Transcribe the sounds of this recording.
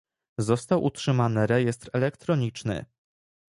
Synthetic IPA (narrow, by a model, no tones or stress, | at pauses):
zɔst̪awʔṵtʂɘmanɘɾɛjɛst̪ɾɛlɛkt̪ɾɔɲit͡ʂnɘ̰